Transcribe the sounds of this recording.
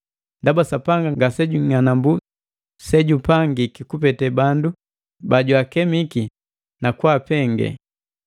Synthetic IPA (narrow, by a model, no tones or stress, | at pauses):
ndabasapaŋɡaŋɡasɛɟuŋanambu | sɛɟupaŋɡikikupɛtɛbandu | baɟuakɛmiki | nakwapɛŋɡɛ̰